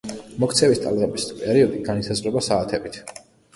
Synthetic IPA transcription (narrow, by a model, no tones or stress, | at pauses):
mɔk̚ʰt̪sʰɛvist̪ʼa̰lˠʁɛbispʼɛɾiɔd̪iɡanisazʁɾɛbasaːt̪ʰɛbit̪ʰ